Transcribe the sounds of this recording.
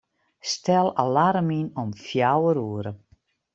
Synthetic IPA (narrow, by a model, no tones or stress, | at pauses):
stɛlˠalaɾəminɔmfjawəɾuəɾə